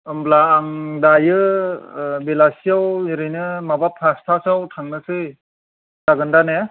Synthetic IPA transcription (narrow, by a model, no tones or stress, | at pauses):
ɯmblaːŋdajɯ | belasiawɾɯjnɯmabapʰastʰasawtʰaŋnɯsɯ | d̥aɡɯndane